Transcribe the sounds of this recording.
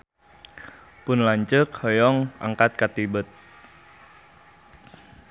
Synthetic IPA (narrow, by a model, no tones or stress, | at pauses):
pʊnlaɲt͡ʃəkhɔjɔŋa̰ŋkat̪̚kat̪ibət̪̚